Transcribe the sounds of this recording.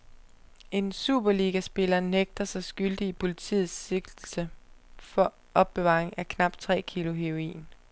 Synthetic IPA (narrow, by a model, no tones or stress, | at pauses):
e̝nsṵːb̥ɐliːɡ̥æsb̥e̝lɐːneɡ̥̚d̥ɐsɑ̈ɪsɡ̥yld̥iipʰo̝lit͡sʰḭːð̩ˠsːe̝ɡ̥l̩səfɒ̽ | ɒ̽b̥ːe̝ʋɑ̰̈ːʁeŋækʰnɑ̈b̥d̥̚t͡sʰʁɛ̰ːkʰilʊɦeo̝ḭːn